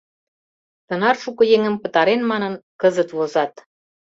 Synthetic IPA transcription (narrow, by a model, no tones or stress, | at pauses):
t̪ɤ̆nɑrʃukɤ̆jeŋə̆mpə̆t̪ɑɾenmɑnɤ̆nkɤzət̪βozɑt̪